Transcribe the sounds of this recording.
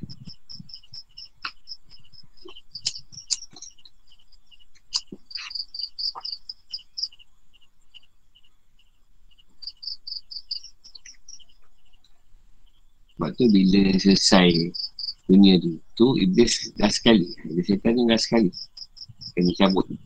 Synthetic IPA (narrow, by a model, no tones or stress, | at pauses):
baʔ̚t̪ubiləsəsaj | dunĩad̪ut̪uḭbesɡasə̥kaliibesat̪aniŋɡasə̥kali | kanit͡ʃabʊʔ